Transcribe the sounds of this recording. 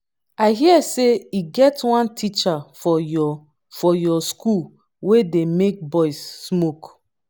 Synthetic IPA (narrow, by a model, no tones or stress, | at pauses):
aɪɦiɛseiɡɛtwãntʰit͡ʃafɔ | fɔjɔskul | wedemek̚bɔɪsːmok